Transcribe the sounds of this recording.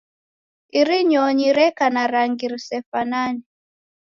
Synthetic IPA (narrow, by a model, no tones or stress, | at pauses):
iɾiɲɔɲiɾɛkanaɾaŋɡiɾisɛfanani